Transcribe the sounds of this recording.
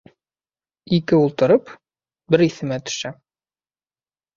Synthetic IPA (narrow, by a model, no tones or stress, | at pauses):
ikɘulˠt̪ɤ̆ɾɤp | bɘɾiθɘ̆mæt̪ɵ̥̆ʃæ